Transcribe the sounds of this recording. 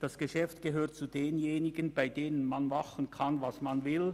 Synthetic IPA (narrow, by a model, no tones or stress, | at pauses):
d̥ɑsɡ̥eʃɛftɡ̥eɦøːɐt̚t͡sudeːnjeːnɪɡənbaɪdeːnənmanmaχən̩kʰanvɑsmanvɪl